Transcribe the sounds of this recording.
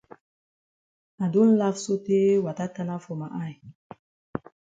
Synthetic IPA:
a˨ndu˦n̩˦la˦fso˦te˦wa˨ta˦ta˦na˦fo˨ma˨ʔa˦˨j

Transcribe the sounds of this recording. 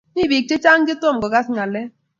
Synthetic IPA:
ni˦˨bi˨k̚t͡ʃe˦t͡ʃa˦ŋd͡ʒe˦t̪ɔ˦˨m˨ɡɔ˨ɡa˦sŋa˨lɛ˦

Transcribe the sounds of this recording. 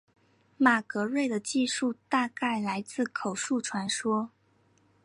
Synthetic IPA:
ma˨˩kɤ˧˥ɻwe˥˩ɪd̪ə˩t͡ɕi˥˧ʂu˥˧t̪a˥˧ka˥˩ɪla˧˥ɪt͡sɹ̩˥˩kʰo˨˩ʊʂu˥˩ʈ͡ʂʰwa˧˥nʂwɔ˥

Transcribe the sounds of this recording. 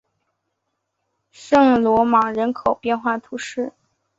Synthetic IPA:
ʂɤ˥˩ŋlwɔ˧˥mɑ˨˩ŋɻə˧˥nkʰo˨˩ʊpjɛ˥˧nxwa˥˩t̪ʰu˧˥ʂɻ̩˥˩

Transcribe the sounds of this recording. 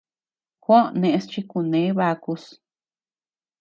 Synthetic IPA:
kʷõ˦nẽ˧ʔẽ˧st͡ʃi˧˦ku˨nẽ˨˦βa˧ku˧s

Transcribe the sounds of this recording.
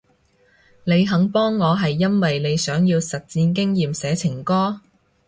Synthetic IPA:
ne˨˧jɦɐ˨˥ŋpɔː˥ŋːɔː˨˧ɦɐ˨jːɐ˥nwɐ˨jne˨˧jsœː˨˥ŋjiː˧wsɐ˨t̚t͡siː˧nkɪ˥ŋjiː˨msɛː˨˥t͡sʰɪ˨˩ŋkɔː˥

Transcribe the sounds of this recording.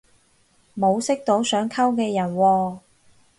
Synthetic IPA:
mo˨˧wsɪ˥k̚t̪o˨˥wsœː˨˥ŋkʰɐ˥wkɛː˧jɐ˨˩nwɔː˧

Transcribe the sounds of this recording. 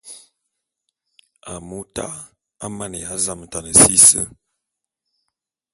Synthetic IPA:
a˨mu˦ta̰˦ | a˦ma˦˨nə˨ja˨˦za˦m̩˨ta˨nə˨si˦sə̰˦

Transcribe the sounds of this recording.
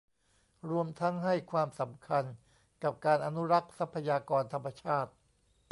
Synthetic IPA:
ɾu˧əmt̪ʰa˦˥ŋɦa˥˩jkʰwaː˧msa˩˦mkʰa˧n | ka˨˩p̚kaː˧nʔa˧nu˦˥ɾa˦˥k̚sa˦˥pʰːa˧jaː˧kɔː˧nt̪ʰa˧mːa˧t͡ɕʰaː˥˩t̪̚

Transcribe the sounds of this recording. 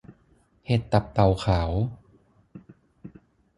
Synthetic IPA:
he˨˩t̪ːa˨˩p̚t̪a˨˩wkʰaː˩˦w

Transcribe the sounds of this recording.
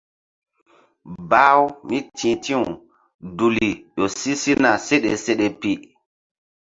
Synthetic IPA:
ba˦wmi˦tʰĩ˨tĩ˦wu˨ | du˨li˨jo˨si˦si˦na˨se˦ɗḛ˨se˦ɗe˨pi˦

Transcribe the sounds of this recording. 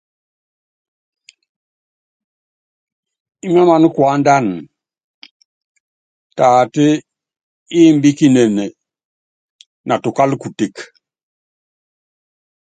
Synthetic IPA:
i˦ma˦ma˨n˦kwa˦nda˦n | taː˨ti˦ | i˦mbi˦ki˦ne˨ne˨ | nʔa˨tu˨ka˦lku˨te˦k

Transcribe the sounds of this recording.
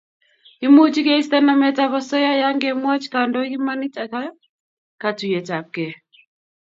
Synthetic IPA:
i˦mu˦t͡ʃi˦kɛ˦i˦sta˦na˦mɛ˨ta˨βɔ˦sɔ˦ja˦ja˦ŋɡɛ˦mwɔ˦t͡ʃka˨ndɔ˦ki˦ma˦ni˦ta˨ka˦ | ka˨tu˨jɛ˨ta˨p̚kɛ˨

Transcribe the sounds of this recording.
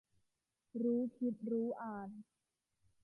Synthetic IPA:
ɾuː˦˥kʰi˦˥t̪̚ɾuː˦˥ʔaː˨˩n

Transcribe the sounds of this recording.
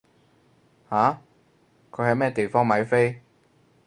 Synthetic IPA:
haː˨˥ | kʰɵ˨˧˥hɐ˨˧jmɛː˥t̪e˨jfɔː˥ŋmɐ˨˧jfe˥j

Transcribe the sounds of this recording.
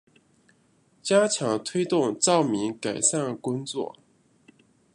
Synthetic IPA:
t͡ɕja˥t͡ɕʰjɑ˧˥ŋt̪ʰwe˥ɪt̪ʊ˥˧ŋt͡sɑ˥˩ʊmi˧˥ŋka˨˩ɪʂa˥˩nkʊ˥ŋt͡swɔ̰˥˩

